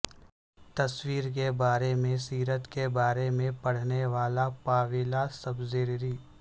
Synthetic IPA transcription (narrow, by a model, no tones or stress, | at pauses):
t̪ɐswiːɾk̬ebaːɾemẽsiːɾət̪kebaːɾemẽpɐɽ̤neʋaːlapaːʋɪlasɐbzeːɾɾiː